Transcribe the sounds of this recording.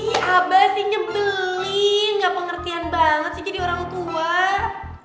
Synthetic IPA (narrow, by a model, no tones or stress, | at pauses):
abasɪɲəmpiliŋɡaʔpəŋərt̪ianbaŋət̪̚sid͡ʒadioɾaŋt̪ua